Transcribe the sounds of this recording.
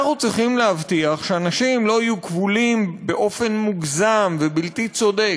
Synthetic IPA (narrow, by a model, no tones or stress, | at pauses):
aχut͡sʁiχimleavtiaχʃeanaʃimlo̞ajukvulimbe̞ʔo̞fe̞nmuɡzamvebiltit͡so̞d̪ek